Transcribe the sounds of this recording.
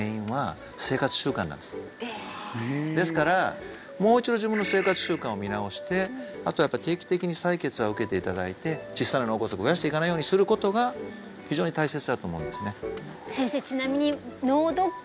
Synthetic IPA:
ĩɰ̃βa | se̞ːkat͡sɨ̥ɕɨːkã̰nã̰nd̪es | d̪e̞sɨ̥kaɾa | mo̞ːit͡ɕid̪o̞ʑibɯ̃nːo̞se̞ːkat͡sɨ̥ɕɨːkãɰ̃o̞mʲinao̞ɕi̥t̪e̞at̪o̞ajapːait̪e̞ːkʲi̥t̪e̞kʲiɲ̟isaike̞t͡sɨβaɯ̟ke̞t̪e̞it̪ad̪ait̪e̞t͡ɕisːananoːkosokɸɯ̟jaɕi̥t̪e̞ikanaijo̞ːɲisɨɾɯ̟ko̞t̪o̞ɡa | çiʑo̞ːɲ̟it̪aise̞t͡sɨd̪at̪o̞ːmo̞ɯ̃nd̪e̞sɨne̞ | sẽ̞ɰ̃se̞ːt͡ɕinamʲiɲ̟inoːd̪o

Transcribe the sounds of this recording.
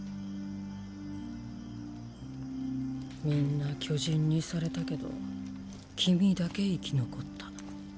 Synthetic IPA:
mʲĩnːakʲo̞ʑĩɲ̟ːisaɾe̞t̪ake̞d̪o̞̰ | kʲʰimʲid̪ake̞ikʲinoko̞t̪ːḁ

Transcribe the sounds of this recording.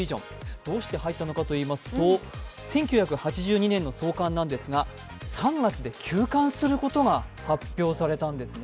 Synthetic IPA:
iʑõ̞̰ | d̪̥o̞ːɕi̥t̪e̞hait̪ːano̞kat̪o̞iːmasɨ̥t̪o̞ | sẽ̞ŋkʲjɨ̟çakɯ̟hat͡ɕiʑɨːɲ̟inẽ̞nːo̞so̞ːkãnːãnd̪e̞sɨɡa | sãŋɡat͡sɨd̪e̞kʲʰɨːkãɰ̃sɨɾɯ̟ko̞t̪o̞ɡahapʲːjo̞ːsaɾe̞t̪ãnd̪e̞sɨne

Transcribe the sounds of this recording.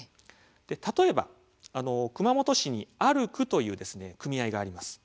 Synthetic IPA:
d̪̥e̞t̪at̪o̞e̞ba̰ | ano̞kɯ̟mamo̞t̪o̞ɕiɲ̟iaɾɯ̟kɯ̟t̪o̞jɯ̟ːd̪e̞sɨne̞kɯ̟mʲiaiɡaːɾʲimasɨ̥

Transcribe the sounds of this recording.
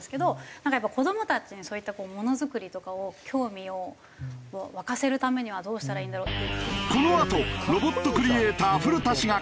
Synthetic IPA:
sɨ̥ke̞d̪o̞nãŋkajapːako̞d̪o̞mo̞t̪at͡ɕiɲ̟iso̞ːit̪ːako̞ːmo̞no̞zɨkɯ̟ɾʲit̪o̞kao̞kʲʰo̞ːmʲio̞ | βakase̞ɾɯ̟t̪ame̞ɲ̟iβ̞ad̪o̞ːɕi̥t̪aɾaĩːnd̪aɾoːt̪ːe̞iɯko̞no̞at̪o̞ɾo̞bo̞t̪ːo̞kɯ̟ɾʲieːt̪aːɸɯ̟ɾɯ̟t̪aɕiɡa

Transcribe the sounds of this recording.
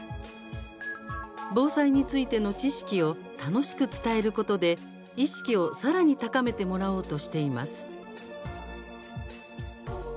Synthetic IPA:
bo̞ːsaiɲ̟it͡sɨit̪e̞no̞t͡ɕiɕi̥kʲio̞ | t̪ano̞ɕi̥kɯ̟t͡sɨ̥t̪ae̞ɾɯ̟ko̞t̪o̞d̪e̞ | iɕi̥kʲio̞saɾaɲ̟it̪akame̞t̪e̞mo̞ɾao̞ːt̪o̞ɕi̥t̪e̞imasɨ̥

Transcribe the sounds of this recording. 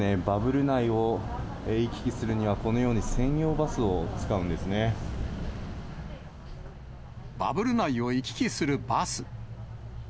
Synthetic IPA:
ne̞babɯ̟ɾɯ̟naio̞ | eikʲi̥kʲisɨɾɯ̟ɲ̟iβ̞ako̞no̞jo̞ːɲ̟isẽ̞ɰ̃jo̞ːbasɨot͡sɨ̥kaɯ̟̃nd̪esɨne̞ | ba̰bɯ̟ɾɯ̟naio̞ikʲi̥kʲisɨɾɯ̟basɨ̥

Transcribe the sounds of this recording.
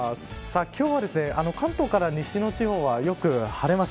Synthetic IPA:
sakʲo̞ːβad̪e̞sɨne̞ʔano̞kãnt̪o̞ːkaɾaɲiɕino̞t͡ɕiho̞ːβajo̞kɯ̟haɾe̞mas

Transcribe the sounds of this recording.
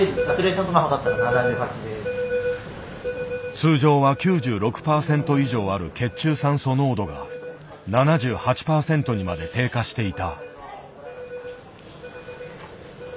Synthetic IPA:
atʲiɾeːɕõnt̪onaɦod̪at̪ːaɾanad̪ãɲɯkaid̪e | t͡sɨːʑo̞ːβakʲɨːʑɨːɾo̞kɯ̟̥paːsẽ̞nt̪o̞iʑo̞ːaɾɯ̟ke̞t͡ɕɨːsãɰ̃so̞no̞ːd̪o̞ɡa̰ | nanaʑɨːhat͡ɕi̥paːsẽ̞nt̪o̞ɲ̟imad̪e̞t̪e̞ːkaɕi̥t̪e̞it̪a

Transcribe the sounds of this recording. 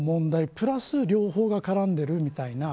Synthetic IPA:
mõ̞nd̪aipɯ̟ɾasɨɾʲo̞ːho̞ːɡakaɾãnd̪e̞ɾɯ̟mʲit̪aina

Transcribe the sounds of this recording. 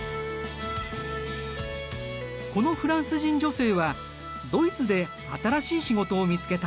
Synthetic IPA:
ko̞no̞ɸɯ̟ɾãɰ̃sɨʑĩɲ̟d͡ʑo̞se̞ːβa | d̪o̞it͡sɨd̪e̞ | at̪aɾaɕiːɕiɡo̞t̪o̞ːmʲit͡sɨ̥ke̞t̪a

